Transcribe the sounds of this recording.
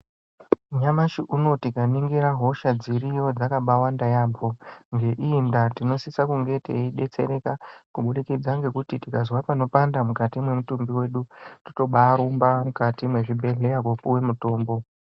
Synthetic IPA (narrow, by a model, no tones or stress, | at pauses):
ɲamaʃiʔuno̞tikaniŋɡiɾaɦo̞ʃad͡zirijo̞d͡zakaɓawandajaːbo̞ŋɡe̞ʔiːndatino̞sisakuŋɡe̞tḛiɗe̞t͡se̞̰ɾe̞kakuɓuɗikid͡zaŋɡe̞kutitikazwapano̞pandamukatimwe̞mutumbiwe̞ːɗuti̥to̞ɓaːɾumbamukatimwe̞ʐibʱe̞ɮe̞jakwopuwe̞muto̞ːmbo̞